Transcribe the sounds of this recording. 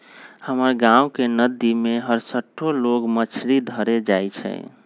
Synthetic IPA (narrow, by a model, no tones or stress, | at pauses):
həməɾɡãukenəd̪imeɦəɾsəʈʰːoloɡmət͡ʃʰɾid̪ʱəɾed͡ʒajt͡ʃʰɛ̰